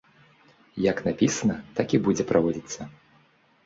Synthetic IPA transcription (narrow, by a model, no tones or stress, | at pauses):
jɐknapʲisɐnɐt̪akʲibud͡zʲɛpɾʔavɔd͡zʲit̪sːɐ